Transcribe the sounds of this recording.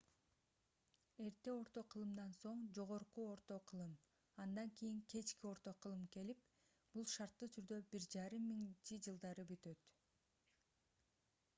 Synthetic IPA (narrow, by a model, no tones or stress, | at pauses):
e̞ɾt̪e̞o̞ɾt̪o̞qʰɯlˠɯmd̪ɑnso̞ɴd͡ʒo̞ʁo̞ɾquo̞ɾt̪o̞qʰɯlˠɯm | ɑnd̪ɑŋkʲijiŋkʰe̞t͡ʃkio̞ɾt̪o̞qʰɯlˠɯmke̞lip̚ | b̥ulˠʃɑɾt̪ːɯt̪ʰyɾd̪ø̞biɾd͡ʒɑɾɯmːiŋt͡ʃid͡ʒɯlˠd̪ɑɾɯbyt̪ø̞t̪